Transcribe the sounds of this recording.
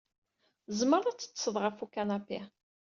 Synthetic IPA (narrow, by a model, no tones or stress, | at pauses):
zməɾˤat͡sːə̥t͡sːsəðˤʁəfukanapːi